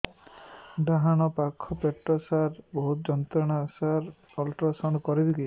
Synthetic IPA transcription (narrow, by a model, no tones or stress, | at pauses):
ɖ̪aɦaɽ̃ɔpakʰːɔpeʈɾɔsaɾbɔɦut̪d͡ʒɔnt̪ɾɔɽ̃asaɾ | ɔlʈɾasɔnkɔɾid̪iɡi